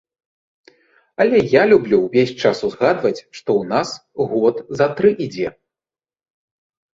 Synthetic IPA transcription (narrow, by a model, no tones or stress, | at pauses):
ɐlʲɛjalʲublʲuwvʲesʲt͡ʂasuzɣad̪vɐt͡sʲʂt̪ɔwnasɣɔt̪zɐt̪ɾɨʔid͡zʲɛ